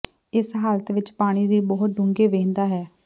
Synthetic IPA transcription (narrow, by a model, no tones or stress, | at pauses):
ɪsɦaːlət̪ʋɪt͡ʃpaːɽ̃iːd̪iːbɔɦʊt̪̚ɖʊŋɡeːʋẽːnd̪aːɦɛː